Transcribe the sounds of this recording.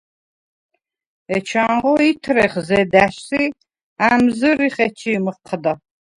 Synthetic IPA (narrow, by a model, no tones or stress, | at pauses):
ɛt͡ʃʰaɴʁɔit̪ʰɾɛχzɛd̪æʃsi | amzɨɾiχɛt͡ʃʰimɨqʰːəd̪ɐ